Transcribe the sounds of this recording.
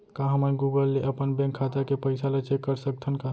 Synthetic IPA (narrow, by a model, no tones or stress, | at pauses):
kãɦəməɡuɡəlːeʔəpənbɛ̃ŋkʰːat̪akepəɪsalet͡ʃekːəɾsək̚t̪ʰənka